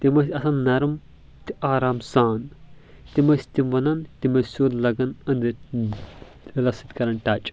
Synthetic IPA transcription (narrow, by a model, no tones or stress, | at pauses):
t̪imɐsʲɐsaːnnɐɾm | t̪iʔaːɾaːmsaːn | t̪imɐsʲt̪ʲimʋɐnɐnt̪ʲimɐssoːd̪lɐɡɐnɐnd̪i | lɐsit̪ʲkɐɾɐnʈɐt͡ʃʼ